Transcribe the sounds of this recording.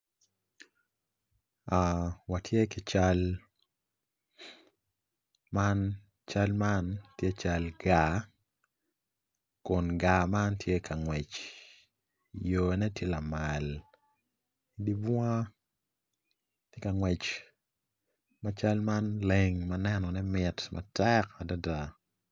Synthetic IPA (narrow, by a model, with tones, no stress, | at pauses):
a˨wa˨tʰje˦kɪ˨t͡ʃal | ma˦n | t͡ʃa˦lma˦ntje˦t͡ʃa˦lɡa˨ | kʊ˨nɡa˨ma˦ntʰje˦kʰa˨ŋwɛ˨t͡ʃ | jo˨nɛ˦tje˦la˨ma˨l | i˨di˦bwa˦ | tje˦ka˨ŋwɛ˨t͡ʃ | ma˨t͡ʃa˦lma˦nle˨ŋmanɛ˦nɔ˨nɛ˦mɪ˨tmʔa̰tɛka˨da˦da˦